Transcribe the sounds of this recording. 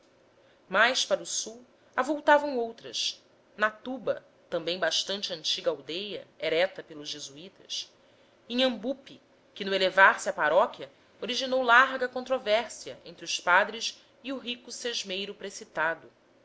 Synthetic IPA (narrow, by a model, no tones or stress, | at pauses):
majʃpaɾʊsuw | avowt̪avɐ̃w̃owt̪ɾɐ̰ʃ | nat̪ubɐ̰ | t̪ɐ̃mbẽj̃baʃt̪ɐ̃nt͡ʃɪɐ̃nt͡ʃiɡɐawd̪ejɐ̰ɛɾɛt̪ɐpelʊzʒezuit̪ɐ̰s | ẽj̃ɐ̃mbupi | kɪnʊelevaɾsɪɐpaɾɔkjɐ | oɾiʒinowlaɾɡɐkõnt̪ɾovɛɾsiɐ̰ʔḛ̃nt̪ɾʊspad̪ɾɪs | iuɦikʊseʒmejɾʊpɾesit̪ad̪ʊ